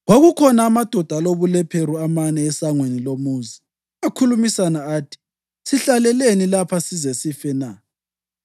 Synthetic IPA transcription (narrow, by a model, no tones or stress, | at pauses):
ɣoɣukʰɔnaːmad̥ʱɔd̥ʱaloβulɛpʰeɾuamanɛːsaŋwenilomuːzi | akʰulumisanaaːtʰi̥ | siɬalɛlenilapʰasizɛsifɛna